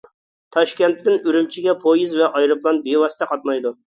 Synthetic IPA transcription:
t̪ʰɑʃkʲɛnt̪ːɪnyɾymt͡ʃʰiɡʲɛpʰojizvɛʔɑjɾɨplˠɑnbewɑst̪ʰɛqʰɑt̪̚mɑjd̪u

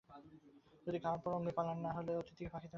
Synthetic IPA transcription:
d͡ʒod̪iɡʱanpɔɾoŋnipalanːaɦoleot̪ʰit̪ikebʰakʰit̪e

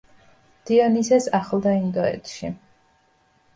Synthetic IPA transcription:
d̪̥iɔnisɛsaχlˠd̪aind̪ɔɛ̰t̪ʰʃḭ

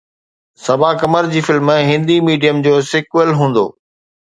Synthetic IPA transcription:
sɐbakɐməɾd͡ʑiːfɪlmɦɪ̃nd̪imiːɖijəmd͡ʑoːsɪkwəlɦũːn̆d̪o̰ː

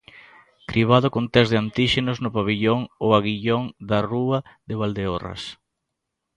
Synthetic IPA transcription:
kɾiβ̞aðokont̪ɛzðeant̪iʃenoznʊpaβ̞iʎoŋoaɣiʎoŋd̪aruaðeβald̪eora̰s

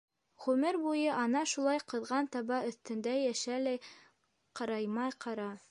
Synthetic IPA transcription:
ʁʉmɘɾbujɤʔɑnɑʃulˠɑjqɤ̆ðʁɑnt̪ɑβɑɵ̆θt̪ɘ̆nd̪æjæʃælæj | qɑɾɑjmɑjqʰɑɾɑ

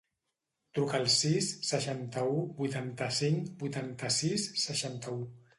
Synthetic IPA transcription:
t̪ɾukəːlˠsisːəʃant̪əubujt̪ant̪əsiŋbujt̪ant̪əsisːəʃant̪əu

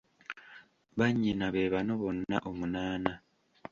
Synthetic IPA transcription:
βaɲːinaβeːβanoβo̞nːa̰ʔomunaːna

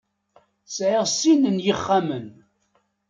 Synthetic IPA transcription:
sʕɪʁsinənjəχːamən

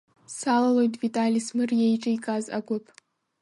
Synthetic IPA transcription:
salalo̞jtʼvitʼalismɨrjejʈ͡ʂʼajkʼazʔaɡʷʊpʼ

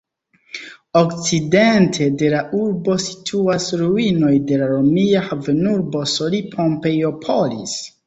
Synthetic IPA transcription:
o̞kt͡side̞ntʰe̞de̞laʔuɾbo̞si̥tʰuasɾuino̞jde̞laɾomiahavenuɾbo̞solipʰo̞mpe̞jo̞pʰo̞lḭs

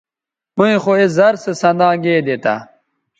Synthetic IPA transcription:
muĩxoez̬ɐɾsesɐ̃nd̪ãːɡeːd̪et̪a̰

